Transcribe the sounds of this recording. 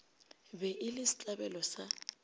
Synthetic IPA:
bɛʔɪlɪsi̥t͡ɬʼabɛlɔsa

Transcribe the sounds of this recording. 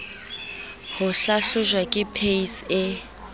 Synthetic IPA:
hʊɬaɬʊʒwakʼɪpʰeisɪ

